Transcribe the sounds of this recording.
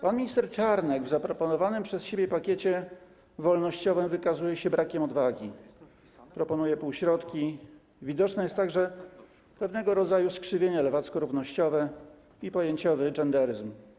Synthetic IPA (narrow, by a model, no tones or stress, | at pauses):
panmʲiɲist̪ɛɾt͡ʂaɾnɛɡvzapɾɔpɔnɔvanɘmpʂɛsɕebʲjɛpakʲet͡ɕɛ | vɔlnɔɕt͡ɕɔvɘmvɘkazujɛɕɛbɾakʲɛmɔd̪vaɡʲi | pɾɔpɔnujɛpuwɕɾɔt̪kʲi | vʲid̪ɔt͡ʂnɛjɛst̪ːaɡʐɛ | pɛvnɛɡɔɾɔd̪zajuskʂɘvʲjeɲalɛvat̪skɔɾuvnɔɕt͡ɕɔvɛ | ipɔjeɲt͡ɕɔvɘd͡ʐɛnd̪ɛɾɘzm